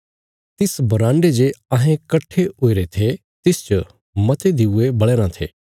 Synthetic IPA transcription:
t̪ɪsbɐɾãːɳɖed͡ʒeɐɦẽkɐʈʰːeoːiɾet̪ʰe | t̪ɪst͡ʃə | mɐt̪ed̪ɪuebɐɭeːɾãt̪ʰḛː

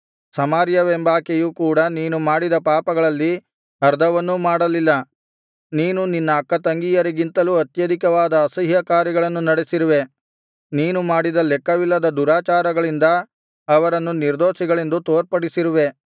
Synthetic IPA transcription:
sɐmaːɾjɐʋembaːkejuːkuːɽɐniːnumaːɽid̪ɐpaːpɐɡɐɭɐlːi | ɐɾd̪ɐʋɐnːumaːɽɐlilːɐ | niːnuninːɐːkːɐt̪ɐŋɡijɐɾiɡint̪ɐluːɐt̪jɐd̪ʱikɐʋaːd̪ɐːsɐɦjɐkaːɾjiɡɐɭɐnːunɐɽesiɾuʋe̞ | niːnumaːɽid̪ɐlɛkːɐʋilːɐd̪ɐd̪uɾaːt͡ʃaːɾɐɡɐɭind̪ɐː | ʋɐɾɐnːuniɾd̪oːʃiɡɐɭend̪ut̪oːɾpɐɽisiɾuʋe̞

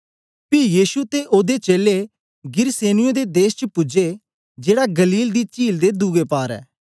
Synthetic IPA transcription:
pɪjiːʃut̪eʔoːd̪et͡ʃeːle | ɡɪɾseːnɪjõd̪ed̪eːst͡ʃəpʊd͡ʒe | d͡ʒeːɽaɡɐliːld̪it͡ʃiːld̪ed̪uɡepaːɾɛ̰ː

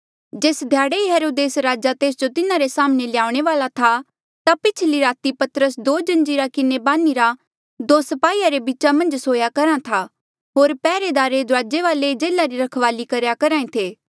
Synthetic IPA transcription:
d͡ʒeːsd̪ʱjaːɽeiɦeɾoːd̪eːsɾaːd͡ʒat̪eːs̬d͡ʒot̪ɪnãɾesaːmneljaːʊɽ̃eʋaːlat̪ʰa | t̪apɪt͡ʃʰliɾaːt̪ipɐt̪ɾəsd̪oːd͡ʒɐ̃nd͡ʒiɾakɪnebaːniɾa | d̪oːsɐpaːiːaɾebit͡ʃamɐ̃nd͡ʒsoːjakɐɾãt̪ʰa | ɦoːɾpɛːɾed̪aːɾed̪ʊɾaːd͡ʒeʋaːled͡ʒeːlaɾiɾɐkʰʋaːlikɐɾjakɐɾaːẽt̪ʰeː

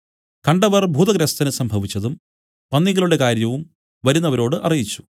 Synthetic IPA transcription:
kɐɳɖɐʋɐrbʱuːd̪ɐɡɾɐst̪ɐnɨsɐmbʱɐʋit͡ɕːɐðum | pɐnːiɣɐɭuɽe̞kaːɾjɐʋum | ʋɐɾunːɐʋɐɾo̞ːɽɨʔɐrijit͡ɕːu̥

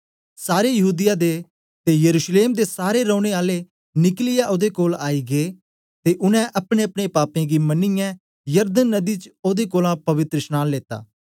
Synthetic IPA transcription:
saːɾejɐɦuːd̪ɪjad̪e | t̪ejɐɾuːʃleːmd̪esaːɾeɾɔ̃ʊɽ̃eaːle | nɪklɪjaʔoːd̪ekoːlaːiɡeː | t̪eʔʊnɛ̃ʔɐpɽ̃eɐpɽ̃epaːpẽɡimɐnɪjã | jɐɾd̪ənːəd̪it͡ʃoːd̪ekoːlãpɐʋɪt̪ɾəsnaːnleːt̪a̰ː

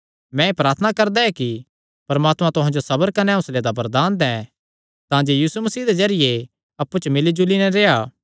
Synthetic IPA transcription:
mɛ̃epɾaːɾt̪ʰnakɐɾd̪aɛki | pɐɾmaːt̪mãt̪ʊɦãd͡ʒosɐbəɾkɐnɛ̃ʊsled̪abɐɾd̪aːnd̪ɛ̃ | t̪ãːd͡ʒejiːsumɐsiːd̪ed͡ʒɐɾɪje | ɐpːut͡ʃmɪlid͡ʒulinɛɾeːaː

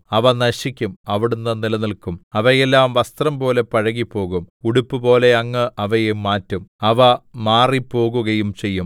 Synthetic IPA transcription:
ɐʋɐnɐɕikʲːumɐʋiɽunːɐnilɐnilkumɐʋɐjelːaːmʋɐst̪rɐmbo̞ːle̞pɐɻɐɣipːo̞ːɣumuɽupːɨbo̞ːle̞ɐŋːɐʔɐʋɐjemaːtːumɐʋɐmaːripːo̞ːɣuɣɐjumt͡ɕe̞jːum

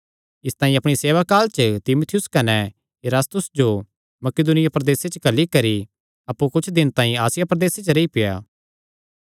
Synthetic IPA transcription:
ɪst̪ãːĩɐpɽ̃iseːʋakaːlt͡ʃət̪ɪmʊt̪ʰɪjʊskɐnɛ | jeɾaːst̪ʊsd͡ʒo | mɐkɪd̪ʊnɪjapɾɐd̪eːset͡ʃəkɐlːikɐɾi | ɐpːukʊt͡ʃʰd̪ɪnt̪ãːĩaːsɪjapɾɐd̪eːset͡ʃəɾeipɪja̰ː

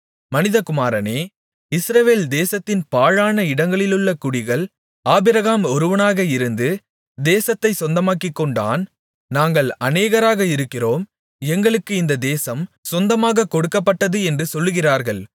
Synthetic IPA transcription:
mɐnɪðɐkʊmaːɾɐneː | ɪsɾɐʋeːld̪eːsɐt̪ːɪnpaːɻaːnɐɪɽɐŋɡɐɭɪlɯɭːɐkʊɽɪɣɐɭ | aːbɪɾɐɣaːmɔɾɯʋɐnaːɣɐɪɾɯnd̪ɯ | d̪eːsɐt̪ːɐɪsɔnd̪ɐmaːkːɪkːɔɳɖa̰ːn | naːŋɡɐɭɐneːɣɐɾaːɣɐɪɾɯkːɪroːm | ɛŋɡɐɭɯkːɯɪnd̪ɐd̪eːsɐmsɔnd̪ɐmaːɣɐkɔɽɯkːɐpːɐʈːɐðɯɛndrɯsɔlːɯɣɪraːɾɣɐɭ

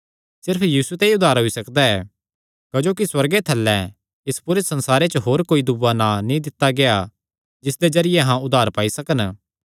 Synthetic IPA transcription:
sɪɾpʰjiːsut̪ɛ̃iʊd̪ʱaːɾɦoisɐkd̪aɛː | kɐd͡ʒoːkiswɐɾɡet̪ʰɐlːɛ̃ | ɪspʊɾesɐ̃nsaːɾet͡ʃəɦoːɾkoːid̪ʊbananĩd̪ɪt̪ːaɡea | d͡ʒɪsd̪ed͡ʒɐɾɪjeɦãʊd̪ʱaːɾpaːisɐkən

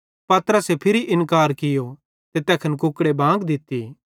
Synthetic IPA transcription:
pɐt̪ɾəsepʰɪɾiʔɪnkaːɾkɪjo | t̪et̪ɛːkʰənkʊkɽebʱãːɡd̪ɪt̪ːḭː

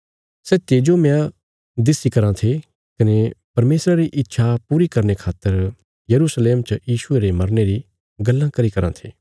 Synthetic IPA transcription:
sɛːt̪eːd͡ʒomɛ̃ã | d̪ɪsikɐɾãt̪ʰe | kɐnepɐɾmeːsɾaɾiʔɪtːʃʰapuːɾikɐɾnekʰaːt̪ːəɾ | jɐɾusleːmt͡ʃɐjiːʃʊeɾemɐɾneɾi | ɡɐlːãkɐɾikɐɾã̰t̪ʰeː

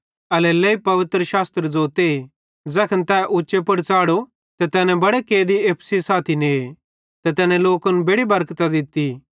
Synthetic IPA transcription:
ɐlɛleːipɐʋɪt̪ɾəʃaːst̪ɾəd͡zoːt̪e | d͡zɛːkʰənt̪ɛːʔʊːt͡ʃepɐɽt͡saːɽo | t̪ɛt̪ɛːnɛ̃bɐɽekeːd̪ieːpʰsisaːt̪ʰineː | t̪ɛt̪ɛːnɛ̃loːkɐnbeɽibɐɾkt̪ad̪ɪt̪ːi

